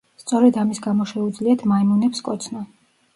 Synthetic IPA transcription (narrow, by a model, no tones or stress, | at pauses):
st̪sʼɔɾɛd̪amisɡamɔʃɛud̪zliat̪ʰmaimunɛpskʼɔt̪sʰnɔ